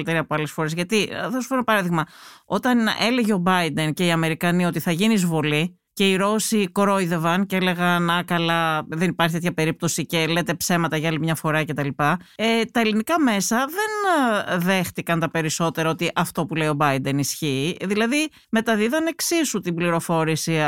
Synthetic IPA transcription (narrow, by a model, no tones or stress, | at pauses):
lit̪eɾiɐpoɐlesfo̞ɾe̞zʝɐt̪iθosu̥fenpɐɾɐðiɣmɐo̞t̪ɐne̞le̞ʝeo̞bɐjd̪e̞nce̞iɐme̞ɾikɐnio̞t̪iθɐʝinizvo̞li | ce̞iɾo̞sikɾo̞jðe̞vɐnceele̞ɣɐnɐkɐlɐðe̞nipɐɾçit̪t̪çɐpe̞ɾip̚t̪o̞sice̞le̞t̪e̞pse̞mɐt̪ɐʝɐɐlimɲɐfo̞ɾɐce̞t̪ɐlipɐet̪ɐe̞linikɐme̞sɐðe̞nðe̞xt̪ikɐnt̪ɐpe̞ɾiso̞t̪e̞ɾɐo̞t̪iʔɐft̪o̞pule̞io̞bɐid̪e̞nisçiːðilɐði | me̞t̪ɐðiðɐne̞ksisut̪imbliɾo̞fo̞ɾisi